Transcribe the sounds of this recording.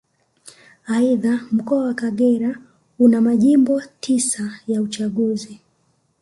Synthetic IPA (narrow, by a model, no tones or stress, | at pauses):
aiðam̩kɔawakaɠɛɾa | unamaʄimbɔtʰisajaut͡ʃaɠuzi